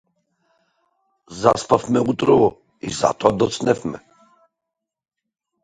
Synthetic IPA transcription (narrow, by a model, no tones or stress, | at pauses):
zaspafmɛut̪ɾɔvɔ | iza̰t̪ɔad̪ɔt̪snɛfmɛ̰